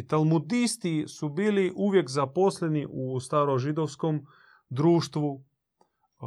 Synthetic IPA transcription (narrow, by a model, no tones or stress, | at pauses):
t̪alˠmud̪ist̪isubiːliʔuʋjekzaposleniʔust̪aɾoʒid̪oʋskom | d̪ɾuːʃt̪ʋu